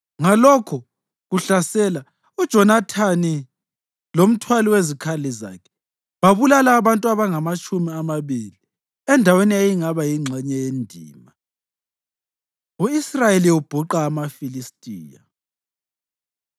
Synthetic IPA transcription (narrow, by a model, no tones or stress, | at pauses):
ŋalɔkʰɔ | ɣuɬasɛla | ud̥ʒ̥ʱɔnatʰani | lom̩tʰwaliwezikʰaliza̰kʰɛ̥ | βaβulalaːβantʼuaβaŋamat͡ʃʼumiamaβili | ɛndʱaweniejiŋaβajiŋ͡ǀʱɛɲɛjendʱḭːma | uisrajeliub̥ʱuǃaːmafilistʼiːja̰